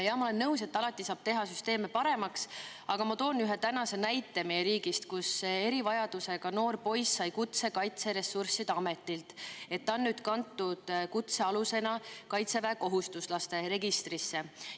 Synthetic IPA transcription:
jɑmɑole̞nːɤus̬e̞t̪ːɑlɑt̪ˑːisɑːb̥̚t̪e̞ɦɑsyst̪e̞ːmepɑɾe̞mɑks | ɑɡ̥ɑmɑt̪o̞ːnyɦet̪ænɑse̞næjt̪ːˑe̞mejeɾiːɡist̪kuse̞ɾivɑjɑd̪̥use̞ɡ̥ɑno̞ːrpo̞jsːɑjkut̪se̞kɑjt̪se̞ɾe̞sːursid̪̥ɑme̞t̪ːˑilt̪e̞t̪ːɑnːyːd̪̥kɑnt̪ːud̪̥kut̪se̞ɑluse̞nɑkɑjt̪se̞væko̞ɦust̪uslɑst̪e̞ɾe̞ɡist̪risːe̞

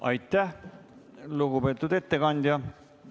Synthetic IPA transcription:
ɑ̰jt̪ˑːæh | luɡube̞ːt̪ːˑud̪e̞t̪ːe̞kɑnʲd̪ʲjɑ

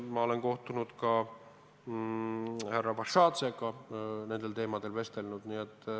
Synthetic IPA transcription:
mɑo̞le̞nko̞ht̪unud̪̥kɑ | hærːɑpɑʃɑːt̪seɡɑne̞nd̪̥e̞lt̪e̞ːmɑd̪̥e̞lve̞st̪e̞lnud̪̥niet̪ːˑ

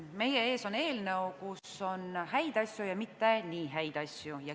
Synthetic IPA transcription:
me̞jee̞ːso̞ne̞ːlnəukuso̞nɦæjd̪̥ɑsʲjujɑmit̪ːe̞niːɦæjd̪̥ɑsʲjujɑ

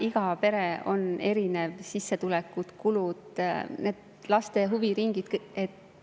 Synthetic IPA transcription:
iɡ̥ɑpe̞ɾeo̞̰ne̞ɾinevsisːe̞t̪ulɛkːˑut̪kulud̪̥ned̪̥ | lɑst̪e̞ɦuviɾiŋɡ̥id̪̥et̪ː

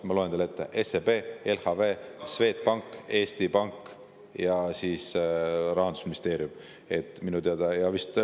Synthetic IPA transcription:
mɑloenelet̪ːḛʔesebe̞ːelhɑve̞ːsve̞ːt̪̚pɑŋkːe̞ːst̪ipɑŋk | jɑsiːsɾɑɦɑnd̪̥usminist̪e̞ːɾjum | e̞t̪ːˑminut̪eɑd̪̥ɑjɑvist̪

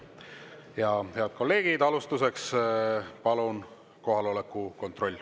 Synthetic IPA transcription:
jɑheɑd̪̥̚ko̞lːe̞ːɡ̥id̪ɑlust̪use̞ks | pɑlun | ko̞ɦɑlo̞lekːˑuko̞nt̪ro̞lʲː

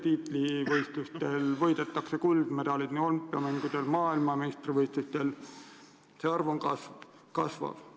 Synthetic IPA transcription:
t̪iːt̪ˑlivɤjst̪lust̪e̞lvɤ̞jd̪̥e̞t̪ːˑɑkse̞kuld̪̥me̞d̪̥ɑlid̪̥niolympːˑiɑmæŋɡ̥ud̪̥e̞lmɑːilmɑmest̪rivɤjst̪ust̪e̞l | se̞ɑrvoŋkɑs | kɑsvɑ̰v̥

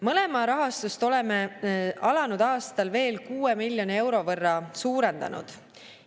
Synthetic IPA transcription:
mɤle̞mɑɾɑɦɑst̪ust̪o̞le̞meʔɑlɑnud̪̥ɑːst̪ɑlve̞ːlkuːemilʲjo̞nee̞wɾo̞vɤrːɑsuːɾe̞nd̪ɑ̰nṵd̪̥

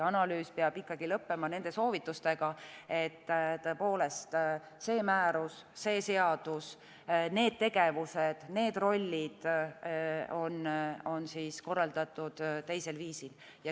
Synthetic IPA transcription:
ɑnɑlyːspeɑb̥ikˑːɑɡ̥ilɤpːe̞mɑne̞nd̪̥e̞so̞ːvit̪ːˑust̪e̞ɡ̥ɑe̞t̪ːt̪ɤe̞po̞ːle̞st̪ | se̞ːmæːɾusːe̞ːse̞ɑd̪̥us | ne̞ːd̪̥̚t̪e̞ɡ̥e̞vused̪̥ne̞ːd̪ro̞lʲːid̪̥ | o̞no̞nsisko̞rːɑld̪̥ɑt̪ːˑud̪̥t̪e̞jse̞lviːsil | jɑ

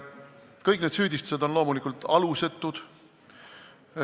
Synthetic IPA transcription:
kɤjkːˑned̪syːd̪ʲist̪u̥se̞d̪o̞nlo̞ːmulikːˑult̪ɑluse̞t̪ːˑud̪̥

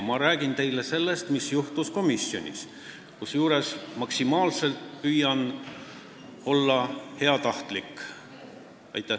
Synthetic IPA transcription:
mɑɾæːɡ̥int̪e̞jle̞se̞lːe̞st̪misjuht̪usko̞misjo̞̰nʲḭs | kusjuːɾe̞smɑksimɑːlse̞lt̪pyjɑn | o̞lːɑhe̞ɑt̪ɑht̪likːˑ | ɑ̰jt̪ːˑæ

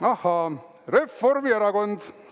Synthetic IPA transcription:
ɑhɑː | refːormieɾɑkond̪̥

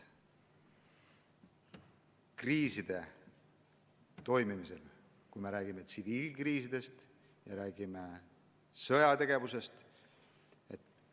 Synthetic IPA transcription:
kriːsid̪̥e̞ | t̪o̞jmimise̞l | kujme̞ɾæːɡ̥ime̞t̪siviːlkriːsid̪̥e̞st̪ | jɑɾæːɡ̥ime | sɤjɑt̪e̞ɡ̥e̞vuse̞st̪ | ḛt̪ː

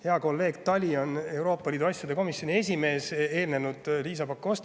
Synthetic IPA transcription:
he̞ɑko̞lːe̞ːɡ̥t̪ɑlʲio̞ne̞wɾo̞ːpˑːɑlʲiːd̪uɑsʲːjɑd̪eko̞misjo̞nʲie̞sʲime̞ːse̞ːlne̞nud̪̥liːs̬ɑpɑkːost̪

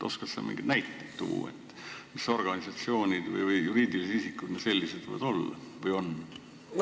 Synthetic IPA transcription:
ʔo̞skɑt̪sḛmḭŋɡid̪næjt̪ːet̪ːṵːḛt̪ː | miso̞rɡ̥ɑnisɑt̪sio̞ːnʲid̪̥vɤ̰jvɯjjuɾiːd̪iliseisikːˑud̪̥ne̥se̞lʲːised̪̥̰jɑ̰d̪o̞lːɑ̰vɤjo̞nː

